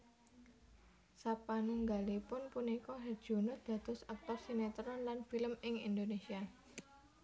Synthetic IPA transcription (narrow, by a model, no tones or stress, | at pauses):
sapanuŋɡalipʊnpunikɔɦɛrd̥ʒ̥o̤nʊd̪̥a̤d̪̥ɔsak̚t̪ɔrsinet̪əɾɔnlanfiləmɪŋḭnd̪onesia